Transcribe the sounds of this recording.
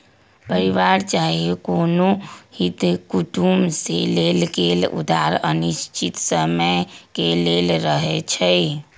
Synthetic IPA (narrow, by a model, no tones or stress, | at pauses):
pəɾiʋaɾt͡ʃaɦiekonohit̪kuʈumselelɡelṵd̪ʱaɾə̰niʃt͡ʃit̪səməkelelɾəɦɛt͡ʃʰəj